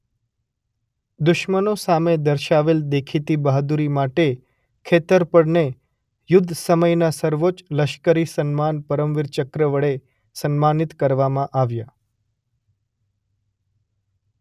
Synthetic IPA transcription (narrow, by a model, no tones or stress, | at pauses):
d̪ʊʃmənosamed̪əɾʃaʋeld̪ekʰit̪ibaɦd̪uɾimaʈe | kʰet̪əɾpəɽne | jʊd̪ʱːsəməjnasəɾʋot͡ʃləʃkəɾisənmanpəɾəmʋɪɾt͡ʃəkɾəʋəɭe | sənmanit̪kəɾʋamãʔaʋja